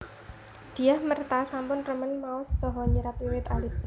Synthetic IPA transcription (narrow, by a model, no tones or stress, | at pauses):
d̪̥i̤ahmərt̪asampʊnrəmənmaɔsːɔɦɔɲəɾapiwɪt̪alɪ